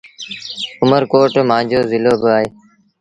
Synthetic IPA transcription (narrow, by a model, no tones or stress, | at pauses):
ʊməɾkoːʈmãːd͡ʒoːzɪloːbɪaːɦeː